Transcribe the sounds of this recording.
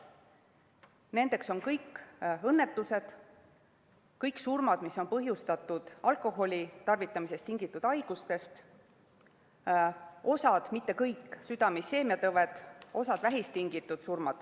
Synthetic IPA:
ne̞nd̪̥e̞kso̞nkɤjkːɤnːe̞t̪ːˑuse̞d̪̥ | kɤjksurmɑd̪̥misːo̞npɤɦjust̪ɑt̪ːˑud̪̥ɑlko̞ɦo̞lʲit̪ɑrvit̪ːˑɑmise̞st̪iŋɡ̥it̪ːˑud̪̥ɑjɡ̥ust̪e̞st̪ | o̞sɑd̪̥mit̪ːe̞kɤjkːsyd̪̥ɑmise̞ːmiɑt̪ɤvet̪ˑo̞sɑd̪̥væɦist̪iŋɡit̪ːˑud̪̥surmɑd̪̥

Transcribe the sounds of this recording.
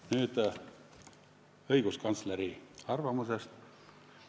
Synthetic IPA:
nyːt̪ | ɤiɡ̥uskɑnt̪sleɾiɑrvɑmusest̪

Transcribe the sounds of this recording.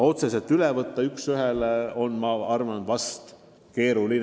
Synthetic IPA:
o̞t̪sese̞lt̪ːˑylevɤt̪ːɑyksyɦeleo̞nmɑɑrmɑnvɑst̪ | ke̞ːɾulin

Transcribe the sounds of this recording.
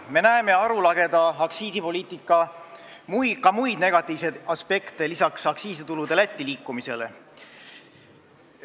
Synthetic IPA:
me̞næeme̞ɑɾulɑɡ̥e̞d̪̥ɑɑksiːsipo̞lʲiːt̪ˑikːˑɑ | mujkɑmujd̪̥ne̞ɡ̥ɑt̪ːˑiːvsed̪̥ɑspe̞kt̪e̞lisɑksɑksiːsit̪ulud̪e̞læt̪ʲːiliːkːˑumise̞lḛ

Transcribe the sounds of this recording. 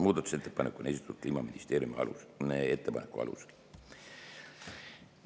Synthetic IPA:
muːd̪ɑt̪u̥set̪ːepɑnekˑːunesi̥t̪ːæt̪̚kliːmɑminʲist̪e̞ːɾiumiɑ̰lṵneet̪ːepɑ̰nekːˑuɑ̰lṵse̥l

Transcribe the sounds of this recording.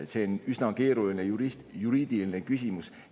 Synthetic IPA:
se̞onysnɑke̞ːɾuline̞juɾist̪juɾiːd̪̥iline̞kysʲimus

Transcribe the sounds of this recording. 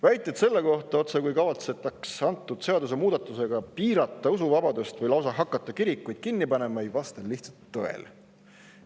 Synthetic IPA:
væjt̪ːˑet̪se̞lːe̞ko̞ht̪ˑɑo̞t̪se̞kujkɑvɑt̪se̞t̪ːˑɑksɑnt̪ːˑud̪̥se̞ɑd̪us̬e̞muːd̪̥ɑt̪ˑːuse̞ɡ̥ɑpiːɾɑt̪ˑːɑusuvɑbɑd̪̥ust̪vɯjlɑws̬ɑɦɑkːˑɑt̪ːˑɑkiɾikːujd̪̥kinːipɑne̞mɑejvɑst̪ɑlːiht̪sɑlt̪ːoḛl

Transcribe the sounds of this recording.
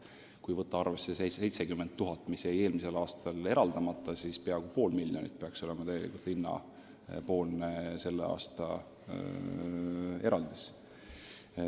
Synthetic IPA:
kujvɤt̪ːˑɑɑrvesːesee̞jt̪sekymːent̪t̪ːuɦɑt̪ːˑmiseje̞ːlmise̞lɑːst̪ʰɑle̞ɾɑld̪̥ɑmɑt̪ːˑɑsispeɑkupo̞ːlmilʲjo̞nḭt̪̚peɑkso̞lemɑt̪æɡe̞lḭkult̪inːɑ̰ | po̞ːlnese̞lːḛɑ̰ːst̪ɑ̰ | e̞ɾɑld̪̥is

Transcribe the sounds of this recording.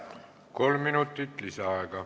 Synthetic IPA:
ko̞lmːinut̪ːˑit̪ˑlisɑɑeɡɑ

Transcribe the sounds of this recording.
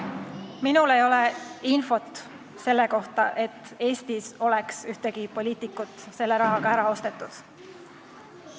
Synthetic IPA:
minule̞jo̞le̞info̞t̪ | se̞lːe̞ko̞ht̪ɑʔe̞t̪ˑːe̞ːst̪iso̞le̞ksyht̪e̞ɡ̥ipo̞lʲiːt̪ˑikːˑut̪ːˑse̞lːe̞ɾɑɦɑɡ̥ɑæɾɑo̞st̪e̞t̪ˑːud̪̥

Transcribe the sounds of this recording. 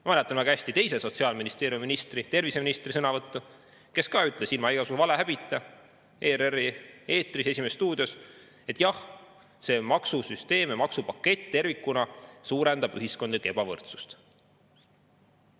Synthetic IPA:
mɑmælɛt̪ːˑɑnvæɡɑæsʲt̪it̪e̞jse̞so̞t̪siɑːlminist̪e̞ːɾijumiminist̪rit̪e̞rviseminist̪risɤnɑvɤt̪ːu | ke̞skɑːyt̪ˑle̞silmɑijɡɑsuvɑleɦæb̥it̪ːˑɑ | eːɾerie̞ːt̪rise̞sʲimest̪uːd̪̥ijo̞s | e̞t̪ːˑjɑh | se̞mɑksusyst̪e̞ːmemɑksupɑkːe̞t̪ʲːt̪e̞rvikˑːunɑsuːɾend̪̥ɑb̥yɦisko̞nd̪ekebɑvɤ̰rt̪su̥st̪

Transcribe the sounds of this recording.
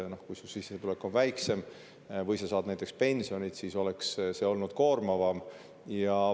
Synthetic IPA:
no̞hkujsulsisːet̪ule̞kːˑo̞nvæjkse̞m | vɤjsɑsɑːd̪næjt̪ˑekspe̞nʲsio̞nʲid̪̥siso̞le̞ksse̞o̞lnud̪̥ko̞ːrmɑvɑm | jɑ

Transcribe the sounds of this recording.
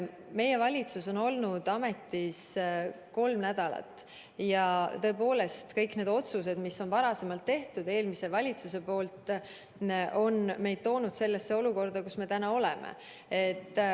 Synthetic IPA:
me̞je̞vɑlʲit̪suso̞no̞lnud̪̥ɑme̞t̪ːis | ko̞lmnæd̪̥ɑlɑ̰t̪ːˑ | jɑt̪ɤ̞epo̞ːle̞st̪kɤjkne̞ːd̪o̞t̪sus̬e̞d̪̥misːonvɑɾɑse̞mɑlt̪ːe̞ht̪ud̪̥e̞ːlmise̞vɑlʲit̪suse̞po̞ːlt̪ˑ | o̞nme̞jd̥̪̚t̪o̞ːnud̪̥se̞lːesːe̞o̞luko̞rd̪̥ɑkusme̞t̪ænɑo̞le̞mḛ | et̪ːˑ

